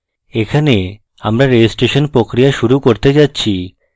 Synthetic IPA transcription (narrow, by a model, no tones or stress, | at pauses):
ekʰane | amɾaɾesʈeʃonpɾokɾijaʃuɾukoɾt̪et͡ɕatːɕʰi